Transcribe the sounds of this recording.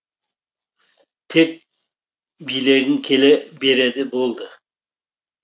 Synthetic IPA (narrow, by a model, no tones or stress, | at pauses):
t̪ʰek̚ | bijleɡɪŋkʲʰelebe̞ɾed̪ɪbolˠd̪ə